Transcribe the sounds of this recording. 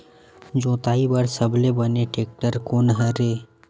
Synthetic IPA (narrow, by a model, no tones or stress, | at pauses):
d͡ʒõːt̪aːibəɽsəblebəneʈeːk̚ʈəɾkoːnɦəɾeː